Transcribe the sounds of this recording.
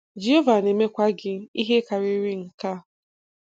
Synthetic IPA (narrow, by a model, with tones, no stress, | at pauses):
d͡ʒi˦o˦va˨ne˨me˦kʷa˦ɡɪ˦i˦ɦe˦ka˨ɾi˦ɾi˦ŋ̩˨ka˦